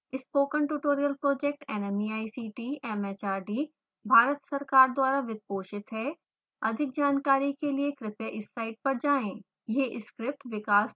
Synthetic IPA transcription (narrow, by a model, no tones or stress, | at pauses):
ɪspoːkə̃nʈuːʈoːɾijəlpɾoːd͡ʒek̚ʈɛːnɛmiaːisiːʈiːɛmɛt͡ʃaːɾɖiː | bʱaːɾət̪sɐɾkaːɾd̪waːɾaʋɪd̪̚poːʃɪt̪ɦɛ | ɐd̪ʱɪk̚d͡ʒaːnkaːɾikeliekɾɪpeʔɪsːaːɪɖ̚pɐɾd͡ʒaːẽː | jeʔɪskɾɪp̚ʈʋɪkaːs